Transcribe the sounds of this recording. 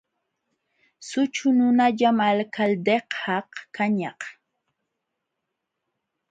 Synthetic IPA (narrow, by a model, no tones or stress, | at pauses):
sʊt͡ʃʊnʊnaʎamalkʰald̪eqhɑqkaɲɑq